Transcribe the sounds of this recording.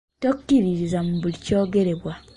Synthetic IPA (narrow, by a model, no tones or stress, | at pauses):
tokːiɾiɾizam̩bulicoɡeɾeβwa